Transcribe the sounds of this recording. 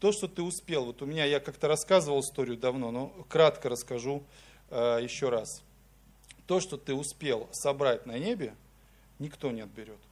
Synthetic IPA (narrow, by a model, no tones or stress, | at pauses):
t̪o̞ʂt̪o̞t̪ɨʊspʲe̞lˠvo̞t̪ʊmʲɪnʲajakakt̪əɾɐskazɨvəlˠɨst̪o̞ɾʲɪjʊd̪ɐvno̞no̞kɾat̪kəɾəskɐʐu | əjɪɕːo̞ɾas | t̪o̞ʂt̪o̞t̪ɨʊspʲe̞lˠsɐbɾatʲnɐnʲebʲɪ | nʲɪkt̪o̞nʲeɐt̪̚bʲɪɾʲo̞t̪